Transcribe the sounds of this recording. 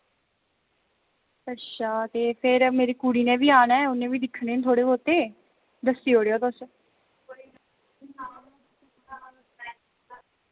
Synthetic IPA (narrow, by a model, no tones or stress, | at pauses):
ətʃʰaːt̪eːpʰɪɾmeːɾiːkuːɽiːnẽːʋiːaːnɛːʊnːẽːʋiːd̪ɪkʰɳeːnt̪ʰoːɽeːot̪eː | d̪əsiːɦoːɽeoːt̪ʊs